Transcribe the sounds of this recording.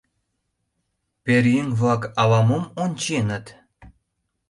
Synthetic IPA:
peɾjeŋβlɑkɑlɑməmonʲt͡ɕenə̆t̪

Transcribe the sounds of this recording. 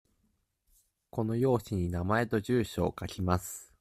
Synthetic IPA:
ko̞no̞jo̞ːɕiɲ̟inamae̞t̪o̞ʑɨːɕo̞̰ːkakʲimasɨ̥

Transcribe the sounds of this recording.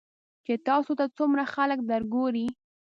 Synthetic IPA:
t͡ʃet̪ɑsot̪at͡sumɾaxalək̚d̪əɾɡoɾi

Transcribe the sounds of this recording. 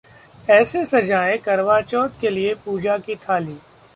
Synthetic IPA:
ɛːsesɐd͡ʒaːekɐɾʋaːt͡ʃɔːt̪keliepuːd͡ʒakit̪ʰaːliː

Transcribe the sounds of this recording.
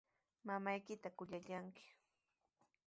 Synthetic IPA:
mamajkɪt̪akʊʎaʎaŋkɪ̥

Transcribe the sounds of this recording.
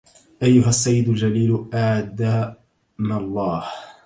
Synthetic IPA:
ʔajːʊɦasːajːɪd̪ʊld͡ʒaliːlʔaʕd̪aː | malˤːɑːh

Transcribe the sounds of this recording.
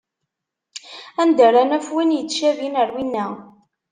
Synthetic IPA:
ænd̪əɾænæfwinjət͡sːʃævinəɾwinːæ

